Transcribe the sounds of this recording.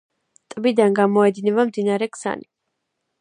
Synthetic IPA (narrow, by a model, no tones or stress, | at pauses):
t̪ʼbid̪anɡamɔɛd̪inɛβamd̪inaɾɛkʰʼsa̰ni